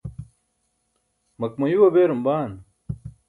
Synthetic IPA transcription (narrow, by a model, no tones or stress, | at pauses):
mɐk̚mɐjuwɐbeːɾɐmbaːn